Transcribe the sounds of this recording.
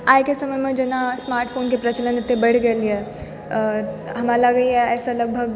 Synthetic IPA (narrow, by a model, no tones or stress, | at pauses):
aːjkesɐməjmẽd͡ʒɐnasmaːɾʈfʰoːnkepɾɐt͡ʃələnet̪ːebɐɽ̤ɡeliɦɛ | ɦɐmalaɡəiɦɛɛːsalɐɡ̚bʱəɡ̚